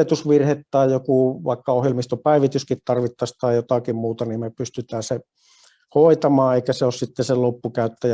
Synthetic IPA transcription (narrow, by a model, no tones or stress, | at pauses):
eˑt̪usʋirhet̪t̪ɑˑijjokuˑʋɑˑikːɑohjelmist̪opæˑiʋit̪yskit̪t̪ɑrʋit̪ːɑst̪ɑˑjjot̪ɑkimmuːt̪ɑniːmmepyst̪yt̪æːse | hoˑit̪ɑmɑːeˑikæseossit̪ːesellopːukæˑyt̪ːæjæ